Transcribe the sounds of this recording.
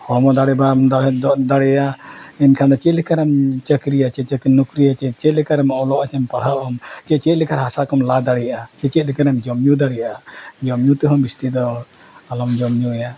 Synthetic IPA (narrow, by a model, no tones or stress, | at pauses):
hɔmɔd̪aɽɛbamd̪ad̪aɽɛjaɛnkʰand̪ɔt͡ʃɛlɛkaɾɛmt͡ʃəkɾijat͡ʃɛt͡ʃəkɾinukɾijat͡ʃɛt͡ʃɛt̪lɛkaɾɛmɔlɔʔat͡ʃɛmpaɽ̤aʔɔmt͡ʃɛt͡ʃɛt̪̚lɛkaɾɦasakɔmlad̪aɽɛjʔat͡ʃɛt͡ʃɛt̪̚lɛkaɾɛmd͡ʒɔmjud̪aɽɛjaʔad͡ʒɔmjut̪ɛɦɔmbist̪id̪ɔ | alɔmd͡ʒɔmɲuja